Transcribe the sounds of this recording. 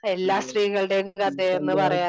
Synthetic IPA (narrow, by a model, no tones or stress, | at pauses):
e̞lːaːstriːɣɐɭɨɽeŋɣat̪ːeenːɨpɐrɐjaː